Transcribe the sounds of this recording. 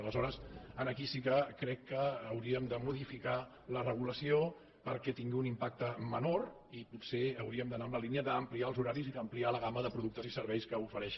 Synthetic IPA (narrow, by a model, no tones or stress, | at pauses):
ələzɔɾəsənəkisikəkɾɛkːəːwɾiəmd̪əmuðifika | lərəɣ̞uləsio | pəɾkɛt̪iŋɡiunimpak̚t̪əmənor | iput̪seəwɾiəmd̪ənaəmləliniəðəːmpliaəlˠzuɾaɾiziðəmplialəɣaməðəpɾuðuk̚t̪əzisəɾβɛjskəufəɾɛʃ